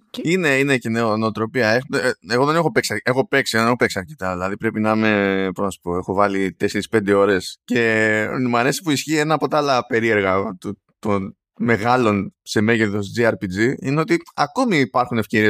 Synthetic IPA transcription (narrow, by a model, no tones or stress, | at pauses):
ine̞ine̞ceneonot̪ɾo̞piɐexueɣo̞ðe̞nexo̞pe̞ksiɐexo̞pe̞ksiɣoðneo̞pe̞ksiɐɾce̞t̪ɐðilɐðipɾe̞pinɐme̞poznɐsu̥po̞e̞xo̞vɐlit̪e̞se̞ɾispe̞nd̪e̞o̞ɾe̞sce̞mɐɾe̞si̥puisçienɐpo̞t̪ɐɐlɐpe̞ɾie̞ɾɣɐt̪u | t̪on | me̞ɣɐlo̞nse̞me̞ʝeðo̞sd͡ziɐɾpid͡ziineo̞t̪iɐko̞miːpɐɾxune̞fce̞ɾie